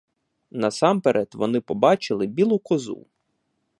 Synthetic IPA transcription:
nɐsɑmpeɾʔɛt̪ʋɔnɪpɔbɑt͡ʃɪlˠɪbʲilˠʊkɔzṵ

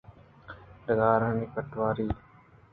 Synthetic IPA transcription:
ɗəɡaːɾəniːkəʈʋaːɾiː

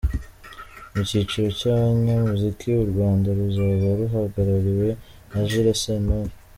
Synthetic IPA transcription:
mucit͡ʃiɾo̞caβɲamuzikʰiuɾɡwaːndaɾuzaβaɾuɦaɡaɾaɾiwe̞ | aʒiɾasena

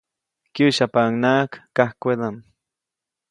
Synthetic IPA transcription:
kjuʃapaŋnakːahkʷed̪am

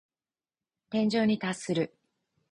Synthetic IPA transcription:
t̪ẽ̞ɲ̟d͡ʑo̞ːɲ̟it̪asɨɾɯ̟

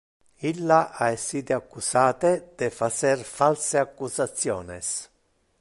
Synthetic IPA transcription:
ilːaʔaesːiːt̪eakːusaːt̪ed̪̥ɛfat͡ʃɛrfalseakːusat̪sːjɔːnɛs

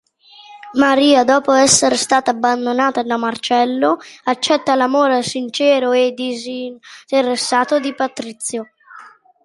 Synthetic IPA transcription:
maɾiːad̪ɔːpoɛsːeɾst̪aːt̪aːbːand̪onaːt̪ad̪amart͡ʃɛlːoat͡ʃːɛt̪ːalamoːɾesint͡ʃɛːɾoed̪izint̪eresːaːt̪od̪ipat̪ɾit̪sːjo

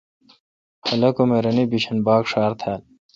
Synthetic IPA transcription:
hɐlɐkomeɾɐnibiɕʰɐnbaːkʂaːɾt̪ʰaːl

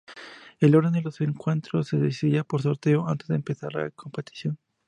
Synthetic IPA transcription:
e̞lo̞ɾðend̪elo̞se̞ŋkwe̞nt̪ɾosːeðesiðiapoɾso̞ɾt̪e̞oant̪e̞zðeːmpe̞θaɾla̰kʰo̞mpet̪i̥θjo̞n

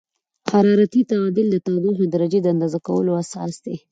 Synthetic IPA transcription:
haɾɑɾat̪it̪aɑd̪ild̪ət̪ɑd̪iɦod̪əɾad͡ʒed̪əand̪ɑzakawə̰loasɑ̰sd̪e

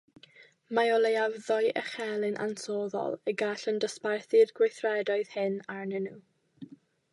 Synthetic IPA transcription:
maɔlejavðɔjʔə̰χɛlˠɪnʔa̰nsoːðɔ̰lˠəɡaɬəndəsparθirɡwejθrɛdɔɨð̥hɪnarnɛnuː

